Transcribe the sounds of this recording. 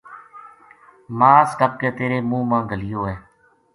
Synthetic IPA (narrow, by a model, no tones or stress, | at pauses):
mãːskəb̚keːt̪eːɾeːmũːmãːɡəlɪjoːɦeː